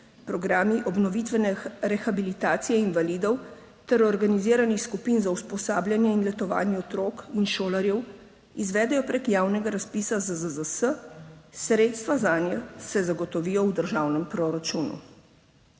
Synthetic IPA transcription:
pɾɔɡɾaːmiʔɔbnɔʋit̪ʋɛnɛɾɛxabilit̪aːt̪sijɛinʋalid̪ɔw | t̪ɛɾɔɾɡaniziːɾanixskupinzauspɔsaːblʲjanjɛinlɛt̪ɔʋa̰ːnjɛɔt̪ɾoːkinʃoːlaɾjɛw | izʋɛːd̪ɛjɔpɾekjaːwnɛɡaɾaspiːsazəzəzəsəsɾeːt̪st̪ʋazaːnjɛsɛzaɡɔt̪ɔʋiːjɔwd̪əɾʒaːwnɛmpɾɔɾat͡ʃuːnṵ

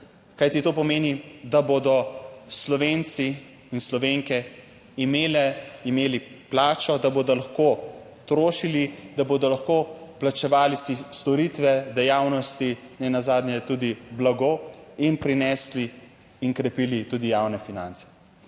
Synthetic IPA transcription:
kajt̪it̪oːpɔmeːnid̪aboːd̪ɔslɔʋeːnt̪si | inslɔʋeːŋkɛ | imeːlɛimeːliplaːt͡ʃɔd̪abod̪ɔlaxkoː | t̪ɾoːʃilid̪aboːd̪ɔlaxkoːplat͡ʃɛʋaːlisist̪ɔɾit̪ʋɛd̪ɛjaːwnɔst̪i | nɛnazaːd̪nʲjɛt̪ud̪iblaɡoːinpɾinɛsli | iŋkɾɛpiːlit̪uːd̪ijawnɛfinant̪sɛ̥

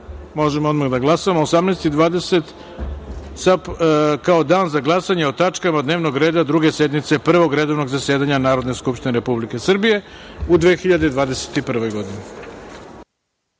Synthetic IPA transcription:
mo̞ʒemoo̞d̪maɣd̪aɡlˠasaamoosamnest̪id̪ʋaːd̪e̞se̞t̪ | sapkao̞d̪aːnzaɡlˠasaɲeo̞t̪at͡ʂkamad̪ne̞ːʋno̞ɡɾeːd̪ad̪ɾuɡe̞sed̪mit̪se̞pr̩ʋo̞ɡɾe̞d̪o̞ʋno̞ɡzasje̞ːd̪aɲanaːɾo̞d̪ne̞skupʃt̪ineɾe̞publike̞sr̩bije̞ud̪ʋexiʎad̪ed̪ʋaːd̪e̞se̥t̪ipr̩ʋo̞jɡo̞d̪ine

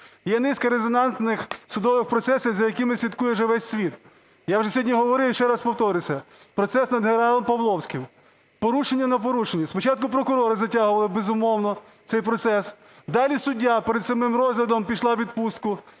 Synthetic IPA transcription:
jɛnɪskɐɾezɔnɑnt̪nɪxsʊd̪ɔʋɪxpɾɔt̪sɛsʲiwzɐjɐkɪmɪsʲit̪kujɛwʒɛʋɛsʲsʲʋʲit̪ | jawʒɛsʲɔdʲnʲiɦɔʋɔɾɪwʃt͡ʃɛɾɑspɔwt̪ɔɾɪsʲɐ | pɾɔt̪sɛsnɐd̪ɦenɾɑlˠɔmpɐʋlˠɔwsʲkɪm | pɔɾuʃenʲːɐnɐpɔɾuʃenʲːispɔt͡ʃɑt̪̚kʊp̬ɾɔkʊɾɔɾɪzɐtʲaɦʊʋɐlˠɪbezʊmɔwnɔ | t̪sɛjpɾɔt̪sɛs | d̪ɑlʲisʊdʲːapeɾed̪sɐmɪmɾɔzlʲɐd̪ɔmpʲiʃlˠɑʋʲid̪̚pust̪̚kʊ

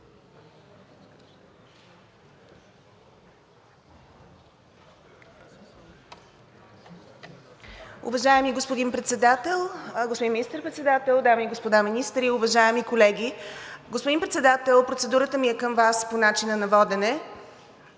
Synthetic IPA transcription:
ʊ̰vɐʒaɛmiɡospod̪inpɾɛt̪sɛd̪at̪ɛlˠɡospod̪inminist̪əɾpɾɛt̪sɛd̪at̪ɛlˠd̪amiiɡospod̪aminist̪ɾiʊvɐʒaɛmikolɛɡʲiɡospod̪inpɾɛt̪sɛd̪at̪ɛlˠpɾot̪sɛd̪uɾət̪əmiɛkəmvasponat͡ʃinənɐvɔd̪ɛnɛ

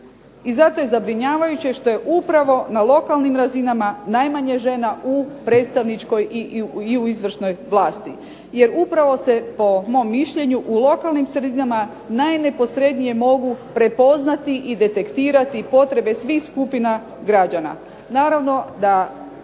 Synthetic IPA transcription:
izat̪o̞je̞zabɾiɲaːʋajut͡ɕeʃt̪o̞je̞ʔupɾaʋo̞nalo̞kalˠnimɾazinamanajmaɲeʒe̞naupɾe̞ːt̪st̪aʋnit͡ʃko̞jiiuizʋr̩ʃno̞jʋlˠaːst̪i | je̞ɾupɾaʋo̞se̞po̞mo̞mːiʃʎe̞ɲuʔulo̞kalˠnimsɾe̞d̪inama | najne̞po̞sɾe̞d̪nije̞mo̞ɡupɾe̞po̞znat̪iʔid̪e̞t̪e̞kt̪iːɾat̪ipo̞t̪ɾe̞be̞sʋixskupina | ɡɾad͡ʒana̰ | naːɾaʋno̞d̪a

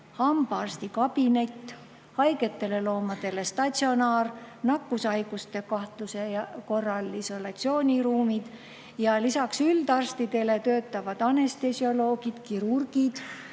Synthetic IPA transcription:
hɑmbɑrst̪ikɑb̥ine̞t̪ː | hɑjɡ̥e̞t̪ːe̞le̞lo̞ːmɑd̪̥e̞le̞st̪ɑt̪ʲsio̞nɑːrnɑkːusɑjɡ̥ust̪e̞kɑht̪luse̞jɑko̞rːɑliso̞lɑt̪sio̞ːnʲiɾuːmid̪̥ | jɑlisɑksyld̪ɑrst̪id̪̥e̞le̞t̪ø̞ːt̪ːˑɑvɑd̪̥ɑne̞st̪e̞sjo̞lo̞ːɡ̥id̪̥kiɾurɡ̥id̪̥

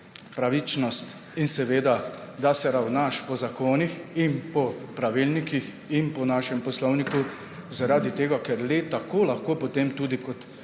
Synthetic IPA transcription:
pɾaʋit͡ʃnɔst̪ | insɛʋeːd̪a | d̪asɛɾawnaʃpɔzakoːnixinpɔpɾaʋilnikix | inpɔnaːʃɛmpɔslɔwniku | zaɾaːd̪it̪eːɡakɛɾlet̪akoːlaxkoːpɔt̪emt̪uːd̪ikɔt̪

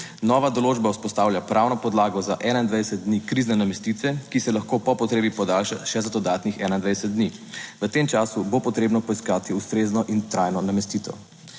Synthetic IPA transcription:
nɔːʋad̪ɔloːd͡ʒbauspɔst̪aːwljapɾʔawnɔpɔd̪laːɡɔzaʔɛnaind̪ʋajd̪ɛsɛt̪̚d̪nikɾiznɛnamɛst̪it̪ʋɛkisɛlaxkopɔpɔt̪ɾeːbipɔd̪alʃaʃɛzad̪ɔd̪aːt̪nixɛnaind̪ʋajd̪ɛsɛt̪̚d̪niʋət̪eːmt͡ʃaːsubopɔt̪ɾeːbnɔpɔiskaːt̪iust̪ɾeːznɔʔint̪ɾajnɔnamɛst̪iːt̪ɔ̰

